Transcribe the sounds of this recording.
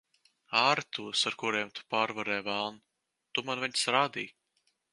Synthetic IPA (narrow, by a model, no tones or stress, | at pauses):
aːɾt̪uɔsaɾkuɾeɛmt̪ʰu̥paːɾvaɾɛːjvælˠn | t̪umanviɲsɾaːd̪iː